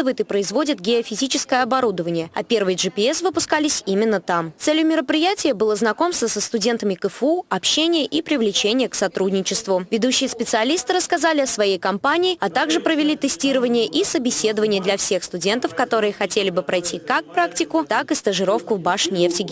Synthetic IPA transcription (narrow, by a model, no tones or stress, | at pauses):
ɨvəjɪt̪ɨpɾəɪzvo̞dʲɪt̪ɡʲɪəfʲɪzʲit͡ɕɪskəjəɐbɐɾud̪əvənʲɪjəɐ̰pʲe̞rvəjʐɨpʲɪɛsvɨpʊskalʲɪsʲimʲɪnːət̪amt̪sɛlʲjʊmʲɪɾəpɾʲɪjætʲɪjəbɨlˠəznɐko̞mst̪vəsəst̪ʊdʲe̞nt̪əmʲɪkɨfuɐpɕːenʲɪjəʔipɾʲɪvlʲɪt͡ɕenʲɪjəksɐt̪ɾudʲnʲɪt͡ɕɪst̪vʊvʲɪd̪uɕːɪjəspʲɪt̪sɨɐlʲist̪ɨɾəskɐzalʲɪɐsvɐjejkɐmpanʲɪːɐt̪aɡʐɨpɾəvʲɪlʲit̪ɨsʲtʲiɾəvənʲɪjəʔisəbʲɪsʲe̞d̪əvənʲɪjəd̪lʲɐfsʲe̞xst̪ʊdʲe̞nt̪əfkɐt̪o̞ɾɨjəxɐtʲelʲɪbɨpɾʔɐjtʲikakpɾaktʲɪkʊt̪akɨst̪əʐɨɾo̞fkʊvbaʂnʲeftʲɪɡʲɪ